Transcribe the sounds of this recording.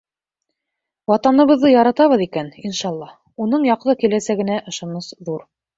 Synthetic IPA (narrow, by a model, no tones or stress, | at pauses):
wɑt̪ɑnɤ̆βɤ̆ðːɤjɑɾɑt̪ɑβɤðikæninʃɑlˠːɑ | unɤɴjɑqðˠɤkilæsæɡɘ̆næʔŏʃɑ̆nɤsðuɾ